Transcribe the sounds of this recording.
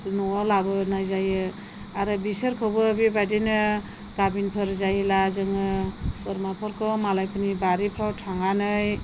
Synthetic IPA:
nɔwawlabɯnajzajɯ | aɾɯbisɯɾkʰɯwbɯbibadinɯ | kabinpʰɯɾzajɯlazɯŋɯpɯɾmapʰɔɾkʰɔmalajpʰɯnibaɾipʰɾawtʰaŋanɯj

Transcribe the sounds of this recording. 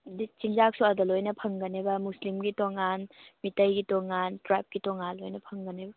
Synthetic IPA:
dit͡ʃiŋd͡ʒak̚suɐdɐlojnɐpʰɐŋɡɐnebɐmuslimɡitoŋanmitɐjɡitɔŋantɾap̚ɡitɔŋalojnɐpʰɐŋɡɐnebɐ

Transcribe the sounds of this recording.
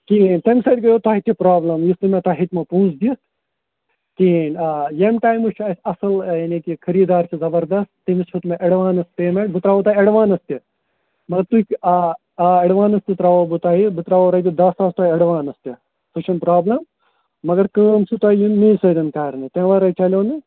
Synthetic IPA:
kint̪emʲsɐjd̪ɡɐjoːt̪aːɦit̪ʲipɾaːblɐmjist̪imẽt̪aːɦit̪ʲmɐpũːt͡sd̪ist̪ | kinːjemʈaːjmut͡ʃʰɐsʲɐsɐljanikikʰɐɾiːd̪aːɾt͡ʃʰizɐbɐɾd̪ɐst̪ːimisʰut̪mẽʔɐɽʋaːnɐst̪t̪eːmẽʈbɨt̪ɾaːut̪aːiɐɽʋaːnɐst̪i | mɐɡɐɾt̪uikʲa | ɐɽʋaːnɐst̪it̪ɾaːʋoːbut̪aːɦibɨt̪ɾaːʋoːɾɐjt̪id̪ɐsaːst̪aːɐɽʋaːnɐst̪ɐ | t̪ut͡ʃʰɐnpɾaːblɐmː | ɐɡɐɾkəmsut̪aːijunmĩːsɐd̪ɐnkaːɾnɨt̪ʲẽːʋɐɾɐit͡ʃɐlʲjoːnɨ

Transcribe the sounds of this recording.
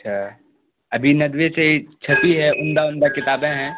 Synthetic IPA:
ɐtːʃʰaː | ɐbʱinɐd̪ʋeseit͡ʃʰɐp̪iɦɛʔʊ̃nd̪aʊ̃nd̪akɪt̪aːbẽɦɛ̃ː

